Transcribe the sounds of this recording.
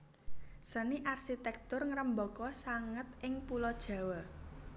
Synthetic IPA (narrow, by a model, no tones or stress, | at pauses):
səniʔarʃit̪ɛk̚t̪ʊrŋəɾəmbɔkɔsaŋət̪ʔɪŋpulɔd̥ʒ̥ä̤wə